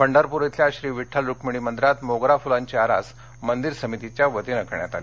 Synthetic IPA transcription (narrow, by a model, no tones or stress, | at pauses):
pəɳɖaɾpuɾet̪ʰljaɕɾiːʋiʈʰːəlɾukmiɽiːmənd̪ɾat̪moɡɾafulaɲt͡ɕeaɾa̰s | mənd̪iɾsəmit̪it͡ɕjaʋət̪inəkɳja̰t̪a̰le